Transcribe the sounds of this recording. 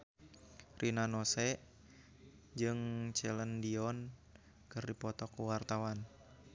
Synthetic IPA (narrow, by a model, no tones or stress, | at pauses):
rinanɔsɛʔ | d͡ʒɨŋt͡ʃɛləndiɔn | kɨrdipɔt̪ɔkuwart̪awan